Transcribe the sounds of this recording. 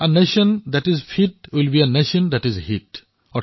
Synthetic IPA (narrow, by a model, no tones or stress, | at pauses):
əneʃə̃nd̪æʈizfʰiʈ̚wilbiəneʃə̃nd̪æʈizhiʈ | ɔ